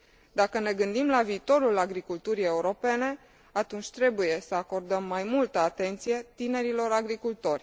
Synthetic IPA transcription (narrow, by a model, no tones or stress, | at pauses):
d̪akəne̞ɡɨnd̪imlaviːt̪o̞ɾulaɡɾikult̪uɾie̞uɾo̞pe̞ne̞ | at̪unt͡ʃʲt̪ɾe̞buje̞səako̞rd̪əmːajmult̪əat̪e̞nt̪sije̞t̪ine̞ɾilo̞ɾaɡɾikult̪o̞rʲ